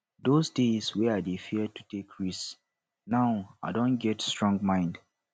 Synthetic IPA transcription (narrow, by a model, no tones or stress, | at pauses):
dosdeswɛaɪdefiətu̥tʰekʰɹis | naʊa̰dõnɡɛtstɹɔ̃ŋɡmãɪ̃nd